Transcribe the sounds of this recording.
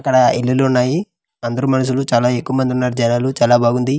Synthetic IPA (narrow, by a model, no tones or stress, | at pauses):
ɐkːɐɽɐelːuluunːaːji | ɐnd̪ɐɾumɐnɐs̬ulut͡ʃaːlaːe̞kːuʋɐmɐnd̪iunːaːɾid͡ʒɐnaːlut͡ʃaːlaːbaːɡund̪i